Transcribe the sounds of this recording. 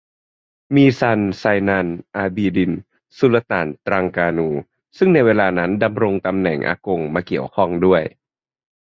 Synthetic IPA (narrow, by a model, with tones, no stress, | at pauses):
miː˧sa˧nsaː˧jna˧nʔaː˧biː˧di˧n | su˧˦la˧t̪a̰ː˩˦nt̪ɾa˧ŋkaː˧nuː˧ | sɯ˥˩ŋna˧jweː˧laː˧na˦˥nda˧mɾo˧ŋt̪a˧mnɛ̰˨˩ŋʔa̰ː˧ko˧ŋmaː˧ki˨˩əwkʰɔ˥˩ŋdu˥˩əj